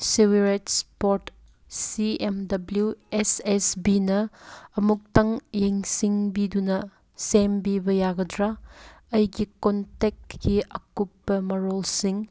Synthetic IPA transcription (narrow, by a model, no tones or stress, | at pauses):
siɡɐɾetspoɾt | siemdɐbljuesesbinɐɐmuk̚tɐŋjeŋsiŋbidunɐ | sembibɐjaɡɐdɾaɐjɡikontek̚kiɐkupːɐmɐɾolsiŋ